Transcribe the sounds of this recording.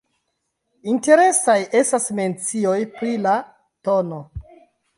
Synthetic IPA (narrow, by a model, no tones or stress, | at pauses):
inte̞ɾe̞sajʔe̞stasme̞nt͡sio̞jpɾila | to̞no̞